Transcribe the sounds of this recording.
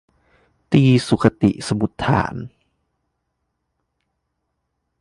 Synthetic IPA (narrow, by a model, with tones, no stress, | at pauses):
t̪iː˧˩su˨˩kʰːa˧t̪ḭ˨˩ʔsa˧mu˨˦t̪ʰːa̰ː˩˦n